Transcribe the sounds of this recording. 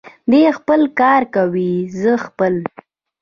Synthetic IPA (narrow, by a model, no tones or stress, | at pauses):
d̪expəlkɑɾkawizəxpəl